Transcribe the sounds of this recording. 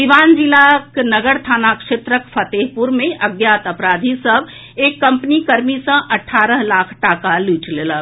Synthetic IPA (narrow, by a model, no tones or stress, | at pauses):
iʋaːnd͡ʒilaknəɡəɾt̪ʰaːnakʃet̪ɾəkpʰət̪eːɦpuɾmẽʔɐɡjaːt̪əpɾaːd̪ʱisəb | eːkːɐ̃mpnikəɾmisə̃ʔɐʈʰːaːɾəɦlaːkʰʈaːkaliːt͡ʃleːlə